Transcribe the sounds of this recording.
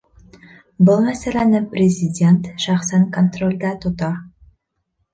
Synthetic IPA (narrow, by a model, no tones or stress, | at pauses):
bɤlˠmæsælʲænɘprʲɪzʲɪdʲe̞nt̪ʃɑχsæŋkont̪rolʲd̪æt̪ŏt̪ɑ